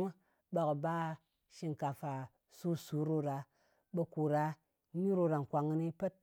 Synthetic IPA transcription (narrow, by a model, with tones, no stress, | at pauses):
u˦ | ɓa˨ku˨ba˦ | ʃi˧ŋ˨ka˨fa˨ | su˦su˨˦ɾo˧ɾa˧ | ɓe˧ku˨ɾa˧˦ | ɲi˦ɾo˧ɾa˨ŋ̩˨kʷa˨ŋɨ˧ni˦pe˦t̚